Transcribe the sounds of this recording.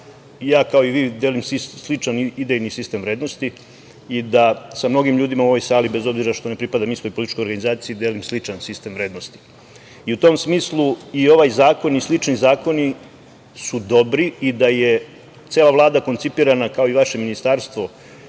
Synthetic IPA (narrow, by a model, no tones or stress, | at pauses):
jaːkao̞iʋiːd̪eːlimsislit͡ʂanid̪ejnisist̪emʋɾeːd̪no̞st̪i | id̪asamno̞ɡimʎuːd̪imauo̞ʋo̞jsaːlibe̞zo̞bziɾaʃt̪o̞ne̞pɾipad̪amist̪o̞jpolit̪it͡ʃkojoɾɡanizaːt̪sijiːd̪e̞ːlimslit͡ʂansist̪e̞mʋɾe̞ːd̪nost̪i̥ | iut̪o̞msmiːslˠuio̞ʋajzaːko̞nislit͡ʂnizaːko̞ni | sud̪o̞bɾiid̪aje | t̪seːlˠaʋlˠaːd̪ako̞nt̪sipiːɾanakao̞iʋaʃe̞minist̪aːɾst̪ʋo̞